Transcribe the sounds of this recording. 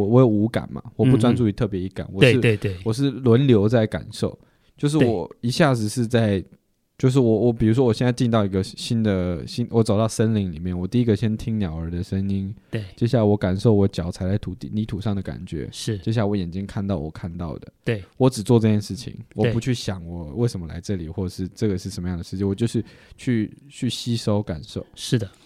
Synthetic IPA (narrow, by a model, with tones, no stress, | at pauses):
wɔ˧˥jo˨˩ʊu˧˥ka̰˨˩nmɐ̰˩wɔ˨˩pu˥˧t͡swa˥nt͡su˥˩i˧˥t̪ʰɤ˥˩p̬jɛ˧˥i˧˥ka̰˨˩˦nwɔ˨˩ʂɻ̩˥˩e˥˧t̪e˥˩wɔ˨˩ʂ̬ɻ̩˥˩lwə˧˦˥nljo˧˥ʊt͡sa˥˩ɪka̰˨˩nʂo˥˩ʊ | t͡ɕjo˥˧ʊʂ̬ɻ̩˥˩wɔɔ˨˩i˧˥ɕja˥˩d͡zɹ̩˨˩ʂɻ̩˥˧t͡sa˥˩ɪ | t͡ɕjo˥˧ʊʂ̬ɻ̩˥˩wɔ˨˩wɔ˨˩pi˨˩ɻu˧˥ʂwɔ˥wɔ˨˩ɕjɛ˥˧nt͡sa˥˧ɪt͡ɕi˥˧nt̪ɑ˥˩ʊi˧˥ɡə˧ɕi˥nd̪ə˨ɕi˥nwɔ˧˥t͡sɑ˨˩ʊt̪ɑ˥˧ʊʂə˥nli˧˥ŋli˨˩mjɛ˥˩nwɔ˨˩t̪i˥˧i˦˥ɡə˨˩ɕjɛ˥nt̪ʰi˥ŋnjɑ˨˩ʊə˞˧˥d̪ə˧ʂə˥ŋi˥n | e˥˩t͡ɕjɛ˥ɕ̬ja˥˩wɔ˧˥ka˨˩nʂo˥˩ʊwɔ˧˥t͡ɕjɑ˨˩ʊt͡sʰa˧˥ɪla˥ɪt̪ʰu˨˥t̪ḭ˥˩ni˧˥t̪ʰu˨˩ʂɑ˥˩ŋd̪ə˩ka̰˨˩nt͡ɕɥɛ̰˧˥ʂɻ̩˧˥˩t͡ɕjɛ˥ɕ̬ja˥˩wɔ˧˦˥jɛ˨˩nt͡ɕi˥nkʰa˥˧nt̪ɑ˥˩ʊwɔ̰˨˩kʰa˥˧nt̪ɑ˥˩ʊd̪ə̰˩t̪wwɔ˧˥ʈ͡ʂɻ̩˨˩t͡swɔ˥˧ʈ͡ʂɤ˥˧t͡ɕjɛ˥˧nʂɻ̩˥˩t͡ɕʰḭ˨˩ŋwɔ˨˩˥pu˧˥t͡ɕʰy˥˩ɕjɑ˨˩ŋwɔ˨˩˦we˥˩ɪʂə˧˥mə˧la̰˧˥ɪʈ͡ʂɤ˥˩li˨˩xwɔ˥˩ə˨˩ʂɻ̩˥˩˧ʈ͡ʂɤ˥˩ɡə˩ʂɻ̩˥˩ʂə˧nmə˦jɑ˥˩ŋd̪ə˩ʂɻ̩˥˩t͡ɕʰi˩˦wɔ˨˩t͡ɕjo˥˧ʊʂɻ̩˥˧t͡ɕʰy˥˩t͡ɕʰy˥˩ɕi˥ʂo˥ʊka̰˨˩nʂo˥˩ʊʂɻ̩˥˩d̪ə˩